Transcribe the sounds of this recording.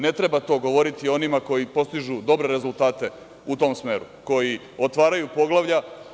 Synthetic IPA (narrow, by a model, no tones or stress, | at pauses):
ne̞t̪ɾe̞bat̪o̞ɡo̞ʋo̞ɾit̪io̞nimako̞jipo̞st̪iʒud̪o̞bɾe̞ɾe̞zulˠt̪aːt̪e̞ | ut̪o̞ːmsme̞ːɾu | ko̞ji | o̞t̪ʋaːɾajupo̞ɡlˠaʋʎa